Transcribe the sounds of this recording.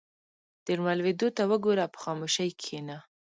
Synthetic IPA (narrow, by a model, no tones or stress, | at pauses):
d̪̥əɾmalwed̪ot̪awəɡoɾapə̥xɑmoʃəjkʰena